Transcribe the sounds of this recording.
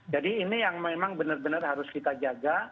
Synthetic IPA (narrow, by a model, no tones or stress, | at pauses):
d͡ʒadiːnijaŋmemaŋbənərbənərɦaɾʊskit̪ad͡ʒaɡa